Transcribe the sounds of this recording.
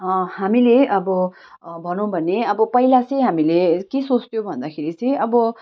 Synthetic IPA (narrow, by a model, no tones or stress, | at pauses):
ʌhamileʔʌbʌ | bʱʌnõw̃bʱʌneʌbʌpʌilat͡sʌj̃ɦamilekesost̪jobʱʌnd̪akʰeɾit͡sʌ̃j̃ʌbʌ